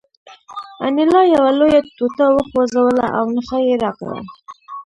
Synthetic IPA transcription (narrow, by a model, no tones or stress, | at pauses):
a̰nɪlɑjawalojat̪ut̪awəxozawəla̰ʔawnəxajeɾaqla̰